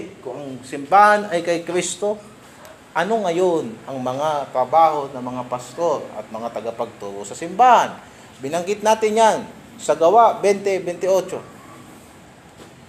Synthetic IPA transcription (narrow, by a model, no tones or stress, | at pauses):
kʊŋɐŋsɪmbaːhanɐjkɐjkɾist̪o̞ | ʔɐno̞ŋɐjonʔɐŋmɐŋat̪ɾɐbaːho̞nɐmɐŋapɐst̪o̞ɾɐ̰t̪̚mɐŋat̪ɐɡapɐɡ̚t̪uːɾosɐsɪmbaːhan | bɪnɐŋɡɪt̪̚naːt̪ɪnjan | sɐɡɐwaʔbɛnt̪ɛbɛnt̪ɪo̞t͡ʃo̞